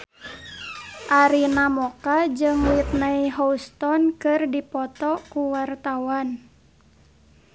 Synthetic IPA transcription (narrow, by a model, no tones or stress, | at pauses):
ʔaɾinamɔkad͡ʒɨŋwit̪̚naiɦɔust̪ɔnkɨrdipɔt̪ɔkuwart̪awan